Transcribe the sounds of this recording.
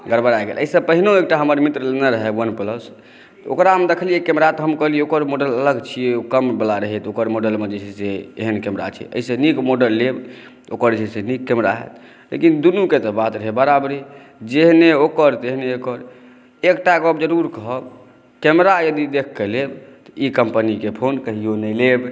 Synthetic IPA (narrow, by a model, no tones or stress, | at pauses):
ɡəɾbəɾajɡḛlʔəisəbpəɦinoekʈaɦəməɾmit̪ɾlenəɾəɦewənpləs | o̰kɾamed̪ekʰəlijekɛmɾat̪ɔɦəmkəɦlijeokəɾmoɖələləɡt͡ʃʰieokəmbəlaɾəɦit̪okəɾmoɖəlmed͡ʒet͡ʃʰiseeɦənkɛmɾa̰t͡ʃʰɛ̰ə̰ɦsẽnikmoɖəlːeb | okəɾd͡ʒeɦisenikːɛmɾa̰ɦḛt̪ | lḛkind̪unuket̪ɔbat̪ɾəɦebəɾabɾi | d͡ʒeɦneokəɾt̪eɦneokəɾ | ekʈaɡəbd͡ʒəɾuɾkəɦəb | kɛmɾajəd̪id̪ekʰːelebt̪ɔikəmpənikepʰonkəɦijonəjleb